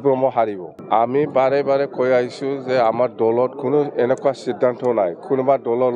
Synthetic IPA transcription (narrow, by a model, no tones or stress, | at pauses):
bɹɔmɔɦaɹibɔ | amibaɾɛbaɾɛkʰɔjaɦisũzɛamaɹdɔlɔtkʰunɔɛnɛkʰwasidʱːantɔnajkʰunɔbadɔlɔ